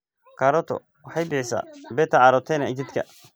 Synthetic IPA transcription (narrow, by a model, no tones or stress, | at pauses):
kʰaɾɔt̪ʰɔ̰ | wɑħɑjbɪħɪsa̰ːbɛːt̪ʰɐʕɑɾɔt̪ʰɛnɐɛt͡ʃɪd̪kʰɐ̰